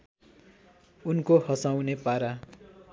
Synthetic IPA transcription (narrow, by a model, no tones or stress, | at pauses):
unkohʌsawnepaɾa